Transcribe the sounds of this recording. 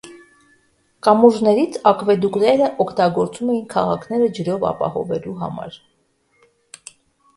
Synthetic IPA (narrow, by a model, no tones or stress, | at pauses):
kɑmuʒnɛɾit͡sʰɑkvɛd̪uknɛɾəʔɔkʰt̪ɑɡɔɾt͡sumɛjinkʰɑʁɑkʰnɛɾəd͡ʒəɾɔvɑ̰pɑ̰hɔ̰vɛluɦɑ̰mɑ̰ɾ